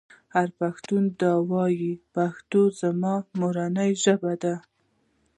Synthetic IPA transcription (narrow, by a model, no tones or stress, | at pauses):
haɾpaxt̪und̪ɑwɑjipaxt̪ozamɑmoɾanəjʒəbad̪a